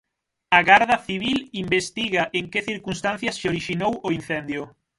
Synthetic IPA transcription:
aɣaɾðɐθiβ̞ilimbest̪iɣaʔeŋkeθiɾkunst̪anθjɐsʃoɾiʃinowoinθɛnd̪jʊ

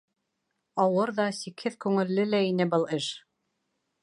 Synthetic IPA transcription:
ɑwɤɾðɑsikhɘðkʉŋɘ̆lːɘlæinɘbɤlˠɘʃ

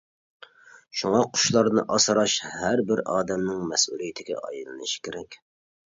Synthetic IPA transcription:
ʃuŋɑqʰʊ̥ʃlˠɑɾnɨʔɑsɨɾɑʃhæɾbɪɾɑːd̪ɛmnɪŋmɛsʔṵlˠijɪt̪ʰɪɡʲɛ̰ʔɑ̰jɨlˠɨnɨʃɪ̥kʲɪɾɛkʲ

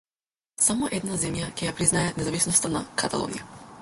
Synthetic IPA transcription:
samɔʔɛd̪nazɛmjacʲɛjapɾiznajɛt̪nɛzavisnɔst̪ana̰kʰat̪a̰lˠɔ̰nḭja̰

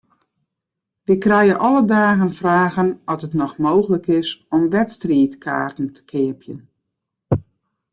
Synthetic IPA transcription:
ʋikrɛjəʔɔlədaːɣənfraːɣənɔtətnɔxmoːxələkɪsɔmʋɛtstriːtkʰa̰ːrtn̩tʰə̥kʰɪəpʰjə̰n

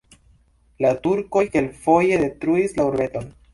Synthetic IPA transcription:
latuɾko̞jke̞lfo̞je̞de̞tɾuislauɾbe̞to̞n

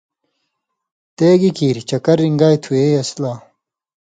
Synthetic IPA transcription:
t̪eːɡikiːɾit͡ɕɐkɐɾːiŋɡaːjt̪ʰueːjɐslaː

